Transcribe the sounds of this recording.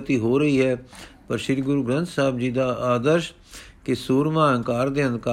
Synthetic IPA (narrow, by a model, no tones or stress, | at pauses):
ət̪iːɦoːɾəɦiːɦɛːpəɾʃɪd̪ɡʊɾuːɡɾə̃nt̪saːbd͡ʒiːd̪aːʔaːd̪əɾʃ | kɪsuːɾmãːə̃ŋkaːɾd̪eːənd̪ka